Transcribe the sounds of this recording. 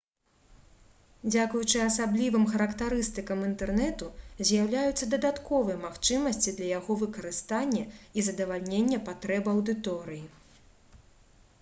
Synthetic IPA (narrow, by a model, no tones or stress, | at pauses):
d͡zʲakujut͡ʂɨɐsablʲivɨmxɐɾɐkt̪aɾɨst̪ɨkɐmint̪ɛrnɛt̪uzʲjawlʲajut̪sːɐd̪ɐd̪at̪kɔvɨjɛmaxt͡ʂɨmɐsʲt͡sʲid̪lʲɐjaɣɔvɨkɐɾɨst̪anʲːɛizɐd̪ɐvalʲnʲenʲːɛpat̪ɾɛbɨɐwd̪ɨt̪ɔɾɨji